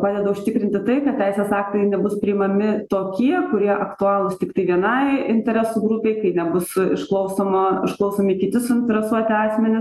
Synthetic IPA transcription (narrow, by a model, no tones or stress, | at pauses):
pɑːd̪ʲɛd̪ɐʊʃʲt̪ʲɪkɾʲɪnʲt̪ʲɪt̪ɐɪkɐt̪̚ʲtʲɛɪsʲeːsɑːkt̪ɐɪnʲɛbʊspʲɾʲɪɪmɐmʲɪt̪oːkʲiɛkʊɾʲiɛʔɐkt̪ʊɑːlˠʊst̪ʲɪkt̪ɐɪʋʲiɛnɐɪɪnʲt̪ʲɛɾʲæsuːɡɾʊpʲɛɪkɐɪnʲɛbʊsɪʃklˠɐʊsoːmɐɪʃklˠɐʊsoːmʲɪiːkʲɪt̪ʲɪsʊɪnʲt̪ʲɛɾʲɛsuɔt̪ʲɪɑːsʲmʲɛnʲɪs